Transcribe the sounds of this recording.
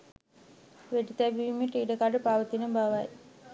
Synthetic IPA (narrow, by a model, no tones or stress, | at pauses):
ʋeʈit̪æbiʋimeʈiːɖəkaɖəpaʋət̪inəbaʋaj